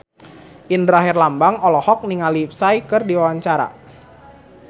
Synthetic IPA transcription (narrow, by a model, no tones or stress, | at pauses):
ʔindɾaɦɪrlambaŋɔlɔhɔk̚niŋalip̚saikɨrdiwawaɲt͡ʃaɾa̰